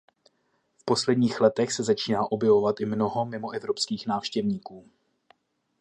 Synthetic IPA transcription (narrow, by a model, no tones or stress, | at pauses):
fpo̞slɛdɲiːxlɛt̪ɛxsɛzat͡ʃiːnaːʔo̞bjɛvo̞vat̪ʔɪmno̞ɦo̞mɪmo̞ʔɛvɾo̞pskiːxnaːfʃcɛvɲiːkuː